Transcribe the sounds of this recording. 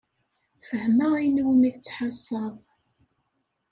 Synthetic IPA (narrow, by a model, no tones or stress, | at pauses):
fəhməæjnwmiθt͡sːħɑsˤːɑðˤ